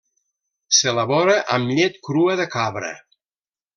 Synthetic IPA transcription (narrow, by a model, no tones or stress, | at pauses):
seləβɔɾəʔəmʎet̪kɾuəðəkaβɾə̰